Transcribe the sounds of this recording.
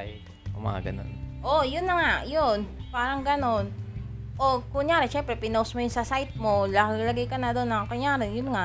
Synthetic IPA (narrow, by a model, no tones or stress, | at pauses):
j̪ | o̰mɐ̰ŋa̰ɡɐ̰no̰nʔojʊnːɐŋaʔjonpaːɾɐŋɡɐno̞n | ʔokʊɲjaːɾɛʃɛmpɾɛpɪnowsmojʊnsɐsajt̪̚molɐɡŋlɐɡajkɐnɐd̪onːɐŋkʊɲjaːɾɛjʊnŋaʔ